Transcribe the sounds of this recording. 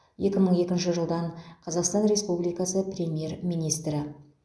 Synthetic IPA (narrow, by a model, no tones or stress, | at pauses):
je̞kʲɪməɴe̞kʲɪnʃɪʒəlˠd̪ɑɴqʰɑzɑqst̪ɑnɾʲe̞spublijkɑsəprʲe̞mʲije̞ɾmijnijst̪ɾɪ